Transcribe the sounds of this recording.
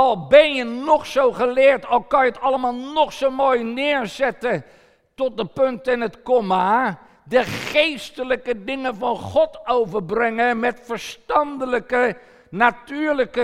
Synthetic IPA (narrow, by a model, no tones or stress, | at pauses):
ɑlˠbɛnjənɔχsowχəlɪːɹtɑlˠkɑnjəətɑləmaːlˠnɔχsowmoːjnɪːɹzɛtə | tɔt̚dəpɵntɪnɦətkoma | dəχejstələkədɪŋənvɑnχɔtowvəɹbrɛŋəmɛtfəɹstɑndələkə | natyːɹləkə